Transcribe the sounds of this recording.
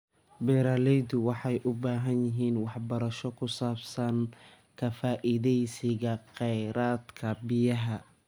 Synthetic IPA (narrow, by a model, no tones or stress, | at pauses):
bɛːɾaːlɛjðʊwɑħɑjʔʊbaːɦɐnjɪɦiːnwɑħbɐɾɐʃɔkʰʊsaːbsɐn | kʰɐfaːʔɪðɛjsɪɣɐqɛjɾaːd̪kʰɐbɪjɐɦɐ